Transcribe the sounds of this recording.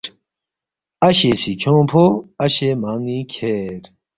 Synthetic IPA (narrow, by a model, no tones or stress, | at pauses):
ɐɕesikʰõːpʰoɐɕemaːŋĩkʰeːɾ